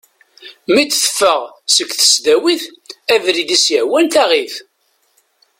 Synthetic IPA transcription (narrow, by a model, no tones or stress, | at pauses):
mid̪θə̥fːəʁsəkːθə̥sd̪æwiθævɾid̪isjəʕwænt̪æʁiθ